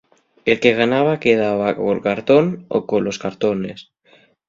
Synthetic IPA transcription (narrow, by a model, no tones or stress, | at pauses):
elkeɣ̞anaβ̞akeð̞aβ̞ako̰lkaɾt̪ono̰koloskaɾt̪ones